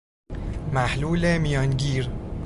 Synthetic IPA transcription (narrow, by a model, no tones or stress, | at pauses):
mæhluːlemijɒːnɟiːɾ